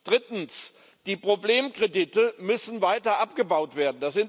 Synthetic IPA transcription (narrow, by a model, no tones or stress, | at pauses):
d̥ʁɪtn̩s | d̥iːpʁ̥obleːmkʁ̥editəmʏsn̩vaɪtɐʔapɡ̥əbaʊtv̥eːɐdn̩d̥asz̥ɪnt